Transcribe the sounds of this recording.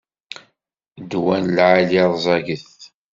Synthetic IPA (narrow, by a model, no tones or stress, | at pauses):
d̪wænlʕaliðˤzˤɑʝəθ